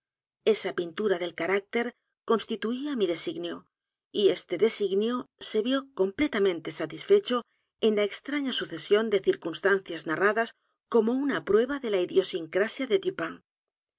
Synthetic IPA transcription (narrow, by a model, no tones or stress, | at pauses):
e̞sapint̪uɾaðe̞lkaɾak̚t̪e̞ɾ | ko̞nst̪it̪uiamiðe̞siɣnjo | ie̞st̪e̞ðe̞siɣnjose̞βjo̞ko̞mple̞t̪amẽnt̪e̞sat̪isfe̞t͡ʃo̞ | e̞nlaekst̪ɾaɲasuθe̞sjo̞nd̪e̞θiɾkunst̪an̟θjaznaraðas | ko̞mo̞unapɾwe̞βaðe̞laiðjo̞siŋkɾasjaðet̪ypaŋ